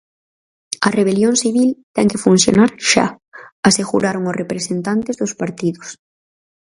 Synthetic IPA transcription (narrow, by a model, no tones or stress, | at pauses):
ɐreβ̞eljoŋsiβ̞ilt̪ɛŋkefun̟θjo̰naɾʃa̰ | aseɣṵɾaɾoŋosrepɾesent̪ant̪ezðʊspaɾt̪iðʊs